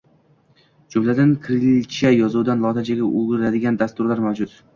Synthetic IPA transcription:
d͡ʒʊmlad̪ankʰɾɪlt͡ʃajɒzuwd̪anlˠɒt̪ʰad͡ʒaɡʲaʔʊɡɪɾlad̪ɪɡʲand̪ast̪ʊɾlaɾmawd͡ʒʊt̪

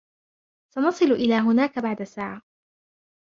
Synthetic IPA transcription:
sɑnɑsˤɨlʊʔɪlaːɦʊnaːkabaʕd̪asaːʕa

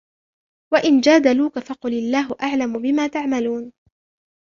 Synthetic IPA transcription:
waʔɪnd͡ʒaːd̪aluːkafɑqʊlɪlːaːɦʊʔaʕlamʊbɪmaːt̪aʕmaluːn

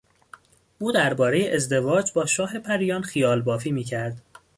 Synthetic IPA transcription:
ʔuːd̪æɾbɒːɾe̞jeʔezd̪e̞vɒːd͡ʒbɒːʃɒːɦe̞pʰæɾijɒːnxijɒːlbɒːfiːmiːcʰæɾd̪̥

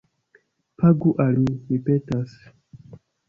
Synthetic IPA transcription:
pʰaɡuʔalmimipetas

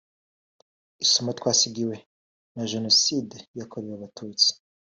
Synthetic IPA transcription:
isumotwaːsiɡiwe | naʒenosidjakʰoɾijaβatʰuːt͡si̥

